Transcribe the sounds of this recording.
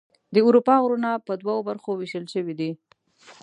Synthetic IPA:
d̪əʊɾupɑɣɾunapəd̪waobaɾxowɪʃəlʃəwid̪i

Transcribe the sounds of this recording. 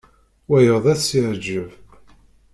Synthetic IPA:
wæjəðˤæsiɾd͡ʒəv

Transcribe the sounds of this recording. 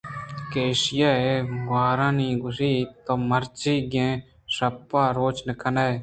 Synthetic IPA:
keːʃɪjaːeːmaːɾãːnĩːɡʊsiːt̪oːməɾt͡ʃiːɡẽː | səpːãːɾoːt͡ʃnəkʰənaːe

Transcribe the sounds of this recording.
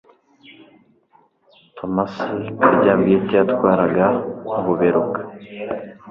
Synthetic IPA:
tʰomasikaɟaːmbijetatwaːɾaɡauβuβeɾukḁ

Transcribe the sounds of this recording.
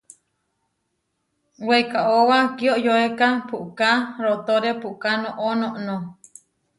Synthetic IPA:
wejkaʔowakioʔjoekapuʔkaɾot̪oɾepuʔkanõʔonõʔnõ

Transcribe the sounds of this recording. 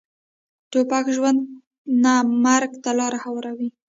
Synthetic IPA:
t̪opakʒwand̪ | namaɾɡt̪alɑɾahawaɾawi

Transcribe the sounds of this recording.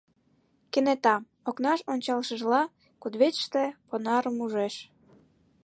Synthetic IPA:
kenet̪ɑm | oknɑʃonʲt͡ɕɑlʃəʒlɑ | kud̪βet͡ɕʃt̪ĕponɑɾəmuʒeʃ

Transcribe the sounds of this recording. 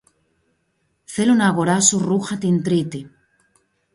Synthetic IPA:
θelunaɣoɾasuruxat̪int̪ɾit̪e

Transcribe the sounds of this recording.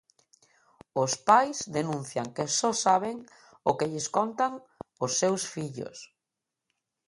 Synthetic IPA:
ʊspajzd̪enũn̟θjaŋkesɔsaβ̞eŋ | ʊkeʎɪskɔnt̪aŋ | ʊsːewsfiʎʊ̰s

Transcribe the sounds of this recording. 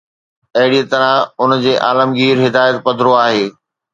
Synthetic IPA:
ɐɦɪɽiət̪ɐɾãʊnd͡ʑeːʔa̰ːləmɡiːɾɦɪd̪aːjət̪pɐd̪ʱɾoaːɦeː

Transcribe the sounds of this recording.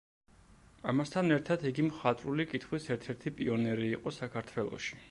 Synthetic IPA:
amast̪ʰanɛɾt̪ʰad̪iɡimχat̪ʼɾulikʼit̪ʰχwisɛɾt̪ʰɛɾt̪ʰipʼiɔnɛɾiːqʼɔsakʰaɾt̪ʰwɛlˠɔ̰ʃi̥

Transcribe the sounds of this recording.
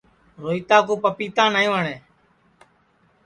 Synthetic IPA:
ɾoːiːt̪aːkuːpəpiːt̪ãːnaːĩːʋəɳeː

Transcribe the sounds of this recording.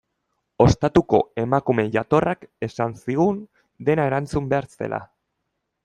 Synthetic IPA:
o̞st̪at̪uko̞e̞makume̞ʝat̪o̞rʔake̞sansiɣun | d̪e̞nae̞ɾant͡sumbe̞aɾt͡se̞̰lʔa̰

